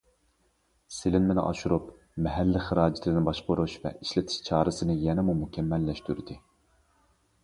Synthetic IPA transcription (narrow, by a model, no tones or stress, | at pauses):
sɪlɪnmɪnɪ̰ʔɑ̰ʃuɾup | mɛɦælːɪχɨɾɑːd͡ʒɪt̪ʰlɪnɪbɑʃqoɾuʃvɛ̰ʔiʃlɪt̪ʰɪ̥ʃt͡ʃʰɑːɾɨsɨnɨjɛnɛmumukʲʰɛmːɛlːɛʃt̪yɾd̪ɨ